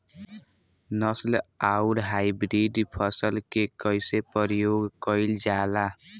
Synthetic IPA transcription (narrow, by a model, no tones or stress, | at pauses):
nʌslauɾɦajbɾidpʰʌsəlkekʌjsepəɾjoɡkʌild͡ʒala